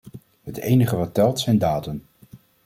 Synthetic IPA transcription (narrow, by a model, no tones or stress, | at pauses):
ɦətḛjnəχəʋɑtːɛlˠtsɛjndaːdən